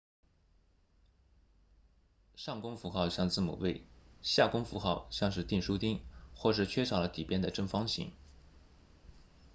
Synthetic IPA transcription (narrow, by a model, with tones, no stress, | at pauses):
ʂɑ˥˩ŋkʊ˥ŋfu˧˥xɑ˥˧ʊɕjɑ˥˧ŋt͡sɹ̩˥˩mṵ˨˩we˥˩ɪɕja˥˩kʊ˥ŋfu˧˥xɑ˥˧ʊɕjɑ˥˧ŋʂ̬ɻ̩˥˧t̪i˥˩nʂu˥t̪i˥ŋxwɔ˥˧ʂ̬ɻ̩˥˩t͡ɕʰɥɛ˥ʂɑ˨˩lə˦t̪i˨˩pjɛ˥nd̪ə˨ʈ͡ʂɤ˥˩ŋfɑ˥ŋɕḭ˧˥ŋ